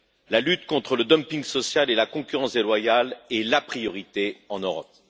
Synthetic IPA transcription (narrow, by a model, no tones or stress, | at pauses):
lalyt̪kɔ̃t̪χələd̪ɔmpĩŋɡsɔsjalelakɔ̃kʲyʁɑ̃sd̪elwajalɛlapχijɔʁit̪eɑ̃nøʁɔ̰p̚